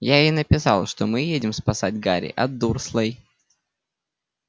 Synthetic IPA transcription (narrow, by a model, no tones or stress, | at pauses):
jainəpʲɪsɑlˠʂt̪omɨjedʲɪmspɐsadʲɡaɾʲɪ̰ʔɐd̪ːurslˠəj